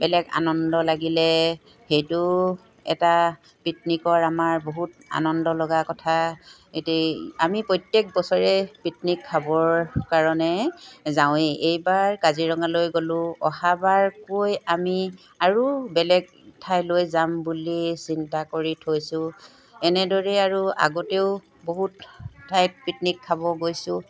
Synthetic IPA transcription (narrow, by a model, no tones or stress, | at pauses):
bɛlɛɡa̰nɔndɔlaɡilɛ | xejtu | ɛ̰ta | pitnikɔɹamaɹboɦut̚a̰nɔndɔlɔɡakɔtʰa | etɛamipɹɔjtjek̚bɔsɔɹɛpitnikʰːabɔɹkaɹɔnɛzaw̃eʔejbaɹkaziɹɔŋalojɡolʊ̃ɔhabaɹkojami | aɹubɛlɛɡ | tʰajlojzambulisintakoɹitʰojsʊ̃ | ɛnɛdɔɹɛaɹua̰ɡɔteʊ | boɦutːajt̚pitnikʰːabɔɡojsʊ̃